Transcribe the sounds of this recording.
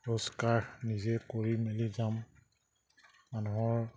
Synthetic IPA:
ɹoskaɹnizɛkoɹimelizam | manuɦɔɹ

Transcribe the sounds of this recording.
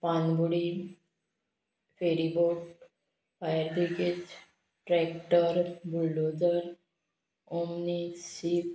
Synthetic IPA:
panbuɽi | pʰeɾiboʈ | pʰajəɾd̪iked͡ʒ | ʈɾɛkʈəɾbulɖod͡ʒəɾ | omnisip

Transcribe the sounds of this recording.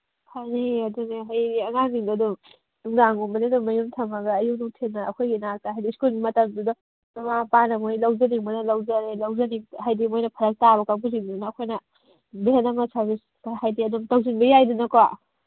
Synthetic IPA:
pʰaneɐdunɐɦajɾiɐŋaŋniŋdɐdum | uŋdaŋuŋbɐdedumɐjumtʰɐmɐɡɐːjuk̚nuŋtʰenːɐɐkʰojɡinak̚taɦajdiskulɡimɐtɐmdudɐ | nɐmapanɐmojlɐwd͡ʒɐniŋbɐjnɐlɐwzɐɾelɐwzɐniŋɦajdimojnɐpʰɐɾɐk̚tabɐkabuziŋddunɐːkʰojnɐ | beɦenɐmɐsɐɾbis | kaɦajdiɐdumtɐwzinbɐjajdunɐkowa

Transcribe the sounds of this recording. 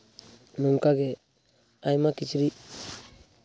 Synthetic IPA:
nuŋkaɡe | ajmakit͡ʃɾi

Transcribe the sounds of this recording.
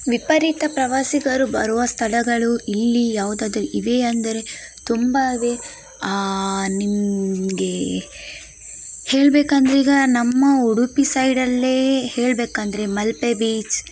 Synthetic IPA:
ʋipɐɾit̪ɐpɾɐʋaːsiɡɐɾubɐɾuʋɐst̪ʰɐlɐɡɐɭuilːijaːʋud̪aːd̪ɐɾuiʋeɐnd̪ɐɾe̞ | t̪umbaiʋe̞ | nimɡe̞ | heːɭbeːkɐnd̪ɐɾiːɡɐnɐmːɐuɽupisɐjɖɐlːe̞ːheːɭbeːkɐnd̪ɐɾe̞mɐlpebiːt͡ʃ

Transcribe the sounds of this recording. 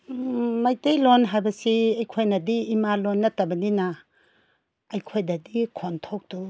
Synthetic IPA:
majtejlonɦajbɐsiɐjkʰojnɐdiːmalonːɐtɐbɐnina | jkʰojdɐdikʰontʰok̚du

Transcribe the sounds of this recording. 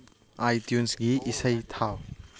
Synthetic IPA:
ajtjunsɡiʔisɐjtʰaw

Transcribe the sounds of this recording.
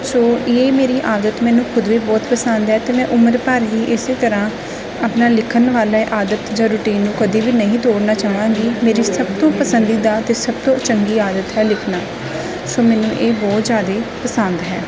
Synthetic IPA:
soːeːmeːɾiːʔaːd̪ət̪mɛ̃ːnũːkʰʊd̪ʋiːbɔːt̪pəsənd̪ɦɛːt̪eːmɛ̃ːʔʊməɾpəɾɦiːʔɪseːt̪əɾãː | aːpnaːlɪkʰənʋaːlaʔaːd̪ət̪d͡ʒãːɾʊʈiːnːũːkəd̪iːʋiːnəɦĩːt̪oːɽnaːt͡ʃaːʋãːɡiːmeːɾiːsəbt̪õːpəsənd̪iːd̪aːt̪eːsəb̚t̪õːt͡ʃəŋɡiːaːd̪ət̪ɦɛːlɪkʰnaː | soːmɛːnũːʔeːbɔːt̪zjaːd̪eːpəsənd̪ɦɛː

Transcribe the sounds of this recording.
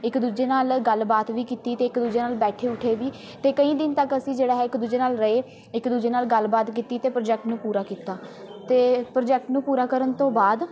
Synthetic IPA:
ɪkd̪uːd͡ʒeːnaːlɡəlbaːt̪ʋiːkiːt̪iːt̪eːɪkd̪uːd͡ʒeːnaːlbɛːʈʰeːʊʈʰeːʋiː | t̪eːkəĩːd̪ɪnt̪əkəsĩːd͡ʒeːɽaːɦɛːɪkd̪uːd͡ʒeːnaːlɾəeː | ɪkd̪uːd͡ʒeːnaːlɡəlbaːt̪kiːt̪iːt̪eːpɾod͡ʒɛːk̚ʈnũːpuːɾaːkiːt̪aː | t̪eːpɾd͡ʒɛːk̚ʈnũːpuːɾaːkəɾənt̪õːbaːd̪

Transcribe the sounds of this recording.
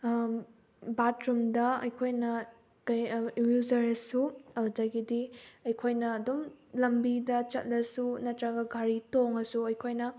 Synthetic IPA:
batɾumdɐɐ̰jkʰojnɐ | kɐjwuzɐɾɐsuɐwdɐɡidiɐjkʰojnɐːdomlɐmbidɐt͡ʃɐ̰t̚lɐsunɐtɾɐɡɐɡʱaɾitoŋɐsuɐjkʰojnɐ

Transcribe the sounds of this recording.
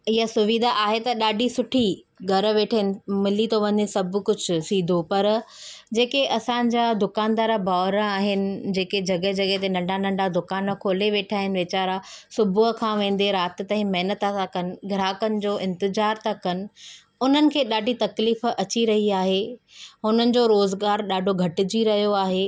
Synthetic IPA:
ɪɦasʊʋid̪ʱaʔaːɦet̪ɐɗaːɖʱisʊʈʰi | ɡʱɐɾʋeːʈʰaɦɪnɪ̆mɪlːit̪oʋɐ̃ɲesɐb̆ʱkʊd͡ʑʱʊ̆siːd̪ʱopɐɾd͡ʑeːkeʔɐsãd͡ʑaːd̪ʊkaːnd̪aːɾabʱaːɾəaːɦɪnɪ̆d͡ʑeːked͡ʑɐɡəɦd͡ʑɐɠəɦt̪̬enɐ̃ɳɖʱanɐ̃ɳɖad̪ʊkaːnkʰoːleʋeːʈʰaːɦɪnɪ̆ʋeːt͡ɕaːɾasʊbʱʊɦəkʰãʋẽːn̆d̪eɾaːt̪t̪ãɦĩmɐɦnət̪aakɐnɪ̆ɡʱɪɾaːkənɪ̆d͡ʑoːʔɪ̃nt̪ɪzaːɾt̪akɐnɪ̆ | ʊn̤ənɪ̆kʰeːɗaːɖʱit̪ɐkliːfɐt͡ɕiɾɐɦiaːɦeɦʊnənɪ̆d͡ʑoːɾoːzɡaːɾɗaːɖʱoɡʱɐʈɪd͡ʑiɾɐɦijoaːɦeː

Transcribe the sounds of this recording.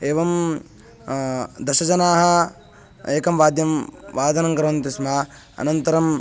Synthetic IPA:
eːʋɐm | d̪ɐʃɐd͡ʒɐnaːɦɐ | eːkɐmʋaːd̪jɐmʋaːd̪ʱɐnɐŋɡɐɾɐʋɐnt̪ismaː | ɐ̰nɐnt̪ɐɾɐm

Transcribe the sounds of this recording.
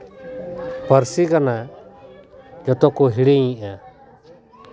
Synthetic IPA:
pəɾsikana | d͡ʒɔt̪ɔkɔɦiɽiɲĩʔa

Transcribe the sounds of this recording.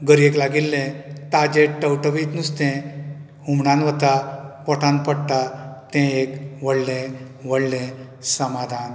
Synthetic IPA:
ɡəɾieklaɡilːẽt̪ad͡ʑeʈʈəwʈəʋit̪nust̪ɛ̃ | humɳãnʋət̪apɔʈãnpəɽt̪at̪ɛ̃ekʋəɽlɛ̃ | ʋəɽlɛ̃ | səmad̪ʱan

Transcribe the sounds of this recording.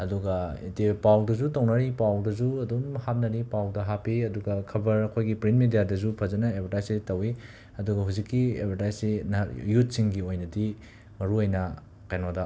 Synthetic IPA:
ɐduɡɐḭtepawdɐzutownɐɾipawdɐzuɐdumhat̚nɐɾipawdɐɦapiɐduɡɐkʰɐbɐɾɐkʰojɡipɾintmedijadɐzupʰɐzɐnɐebʰʱɐɾtajsetɐwi | ɐduɡɐɦuzikːiḛbʱɐɾtajsinjut̚siŋɡiojnɐdi | mɐɾuojnɐ | kajnodɐ

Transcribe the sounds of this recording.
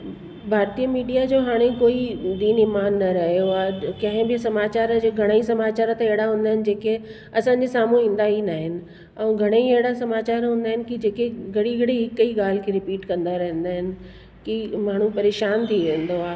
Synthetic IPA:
bʱaːɾt̪ijəmiːɖijad͡ʑoːɦaːɽ̃ekoːid̪iːnɪmaːnːɐɾɐɦjoaːkɐ̃ɦɪ̃bɪsɐmaːt͡ɕaːɾd͡ʑoɡʱɐɽ̃əisɐmaːt͡ɕaːɾt̪ɐeɦɪɽaɦũːnd̪aːɦɪnɪ̆d͡ʑeːke | ɐsãːɲd͡ʑesaːm̤ũɦĩːn̆d̪aɦinaːɦɪnɪ̆ | ɛ̃ːɡʱɐɽ̃əieɦɪɽasɐmaːt͡ɕaːɾɦũːnd̪aːɦɪnɪ̆kid͡ʑeːkeɡʱɐɽiɡʱɐɽeɦɪkəiɠaːl̤ɪ̆kʰeɾɪpiːʈkɐ̃nd̪aɾɐɦə̃nd̪aːɦɪnɪ̆ | kimaːɳ̤upɐɾeːʃaːnt̪ʰiʋẽːnd̪oaː

